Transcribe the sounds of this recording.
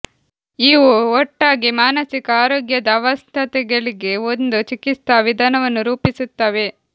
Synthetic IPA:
iːʋuɔʈːaːɡimaːnɐsikɐaːɾoːɡjɐd̪ɐːʋɐst̪ʰɐt̪ɛɡɐɭiɡe̞ond̪ut͡ʃikit̪ɐʋid̪ʱaːnɐʋɐnːuɾuːpisut̪ːaːʋe̞

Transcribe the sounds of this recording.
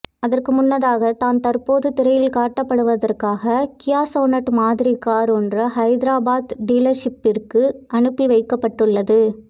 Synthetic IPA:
ɐðɐrkɯmʊnːɐðaːɣɐt̪aːnt̪ɐrpoːðɯt̪ɪɾɐjɪlkaːʈːɐpːɐɽɯʋɐðɐrkaːɣɐkɪjaːsoːnɐʈmaːðɪɾikːaːɾɔndrɐɦɐɪd̪ɪɾaːbaːd̪ɖiːlɐɾʂɪpːɪrkɯʔɐɳɯpːiʋɐɪkːɐpːɐʈːɯɭːɐðɯ

